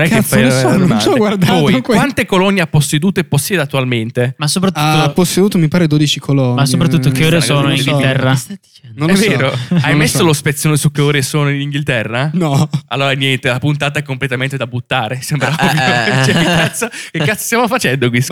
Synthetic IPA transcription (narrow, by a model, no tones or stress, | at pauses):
nɛkːfajlɔnosɔɡward̪apɔːkwant̪ekolɔnːeapːosːed̪uːt̪oepːosːjɛːd̪at̪ːualment̪emasːop̬ɾat̪ːuapːosːed̪uːt̪omipaːɾed̪oːd̪it͡ʃikʰolɔnmasopɾaut̪ːokeoːɾesoːnoiɡilt̪ɛrːa | nonlvːeːɾoajmesːolospet̪sːonesukːeoːɾesoːnoiniŋɡilt̪ɛrːanɔalːoːɾanjɛnt̪elapunt̪aːt̪̬aɛkːomplet̪ament̪ed̪abut̪ːaːɾesembɾat͡ʃɛekːat̪sːokekːat̪sːo̥st̪jamofat͡ʃɛnd̪okwis